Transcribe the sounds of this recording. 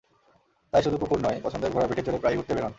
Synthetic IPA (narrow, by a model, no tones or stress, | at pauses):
t̪ajʃod̪ukukuɾnɔjpɔt͡ɕʰomd̪eɡbʱɔɾabiʈeɾd͡ʑonepɾajuʈ̚t̪ebeɾon